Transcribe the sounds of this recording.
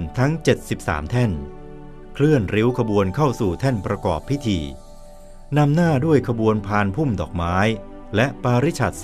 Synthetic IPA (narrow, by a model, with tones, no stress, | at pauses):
t̪ʰa˦˥ŋt͡ɕe˨˩t̪̚si˨˩p̚sa̰ː˩˦mt̪ʰɛ˥˩n | kʰlɯ˥˩ənɾi˦˥wkʰa˧bu˧ənkʰa˥˩wsuː˨˩t̪ʰɛ˥˩npɾa˧kɔ̰ː˨˩pʰːi˦˥t̪ʰiː˧ | na˧mnaː˥˩du˥˩əjkʰa˧bu˧ənpʰaː˧npʰu˥˩mdɔː˨˩k̚maː˦˥j | lɛ˦˥ʔpaː˧ɾi˦˥t͡ɕʰa̰˨˩t̪̚s